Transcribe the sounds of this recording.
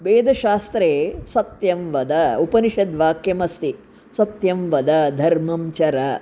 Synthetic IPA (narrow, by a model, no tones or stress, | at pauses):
ʋeːd̪ʱɐʃaːst̪ɾeːsɐt̪jɐmʋɐd̪ɐupɐniʃɐd̪ʋaːkjɐmɐst̪i | sɐt̪jɐmʋɐd̪ɐd̪ʱɐɾmɐmt͡ʃɐɾɐ